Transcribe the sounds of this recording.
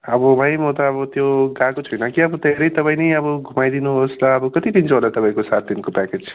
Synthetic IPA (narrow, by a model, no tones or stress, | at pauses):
ʌbʌbʱaj̃mot̪ʌːbʌt̪joɡakot͡sʰʌjnʌkiʌbʌd̪ʱeɾʌjt̪ʌpãĩnʌjʌbʌɡʱumajd̪inuɦosɾʌːbʌkʌt̪id̪int͡sʰoɦolat̪ʌpaĩkosat̪̚d̪inkopaked͡zʰ